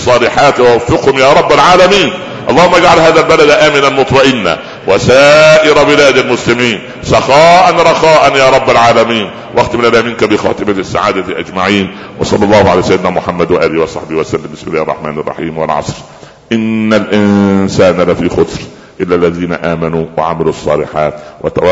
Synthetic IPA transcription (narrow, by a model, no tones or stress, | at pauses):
sˤːɑːlɪħaːt̪wawafːɪqhʊmjaːɾˤɑbːalʕaːlamiːn | ʔɑlˤːɑːhʊmːaɡʕalhaːðalbalad̪ʔaːmɪnanmʊt̪ˤmɑʔɪnːa̰ | wasaːʔɪɾˤɑbɪlaːd̪almʊslɪmiːn | sɑxɑːʔanɾˤɑxɑːʔanjaːɾˤɑbːalʕaːlamiːn | wʔaxt̪ɪmɪnalamɪːnkabɪxɑ̰ːt̪ɪmasːa̰ʕaːd̪aʔad͡ʒmaʕiːn | wɑ̰sˤɑlːɑlˤːɑːhʊʕa̰laːsajɪd̪ɪnaːmʊħamːad̪waʔaːlɪhwɑsˤɑħbɪhwasalːɪmbɪsmɪlaːhɑrˤːɑ̰ħma̰ːnɑ̰rˤːɑ̰ħiːmwɪ̰lʕɑ̰sˤɾ | ʔɪnːalʔɪnsaːnalafiːxʊt̪ˤɾ | ʔɪlːalːæðiːna̰ʔaːmanuːwa̰ʕamɪlusˤːɑ̰ːlɪħa̰ːt̪wa̰t̪a